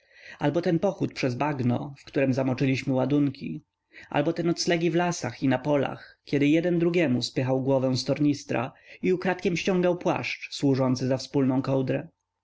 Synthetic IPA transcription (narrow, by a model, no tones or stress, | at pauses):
albɔt̪ɛnpɔxut̪̚pʂɛzbaɡnɔ̰fkt̪uɾɛmzamɔt͡ʂɘlʲiɕmɘwad̪uŋkʲḭ | ʔa̰lbɔt̪ɛnɔt̪slɛɡʲivlasaxinapɔla̰xkʲɛd̪ɘjɛd̪ɛnd̪ɾuɡʲjɛmuspɘxawɡwɔvɛ̃w̃st̪ɔɾɲist̪ɾa̰iukɾat̪kʲɛmɕt͡ɕɔ̃ŋɡawpwa̰ʂt͡ʂswuʐɔnt̪sɘzafspulnɔ̃w̃kɔwd̪ɾɛ